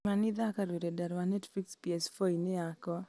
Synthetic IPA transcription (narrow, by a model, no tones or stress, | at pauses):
manɪðakaɾweɾedaɾwanɛtfikspiɛsfoinɪakɔ